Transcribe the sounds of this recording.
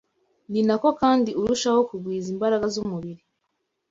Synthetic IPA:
ninako̞kaːndiuɾuʃawo̞kuɡwiːzimbaɾaɡazumuβiɾi

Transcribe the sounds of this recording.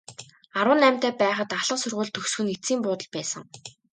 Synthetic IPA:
aɾwə̆nːæm̥ʲt̪eːpæːχə̆t̪aɮə̆qsɵrʁʊːɮt̪ʰːɵxsxɵ̆nit͡siːmpʊːt̪ə̆ɮpæːsə̆ŋ

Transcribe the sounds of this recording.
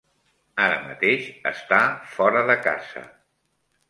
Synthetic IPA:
aɾəmət̪eʃəst̪afɔɾəðəka̰z̥ə̰

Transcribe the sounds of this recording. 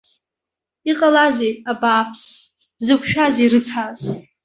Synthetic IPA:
iqʼalazejabaːpʰs | b̥zɨkʷʰʃᶣazeɾɨt͡sʰaz

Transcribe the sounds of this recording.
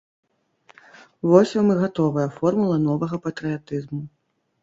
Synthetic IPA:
vɔsʲɐmɨɣat̪ɔvɐjɐfɔrmulˠɐnɔvɐɣɐpɐt̪ɾɨjat̪ɨzmu

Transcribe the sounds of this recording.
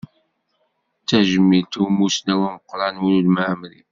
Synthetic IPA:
t͡sːæʒəmːilt̪umusnæwæməqːɾˤɑnwunulmaʕmɾḭ

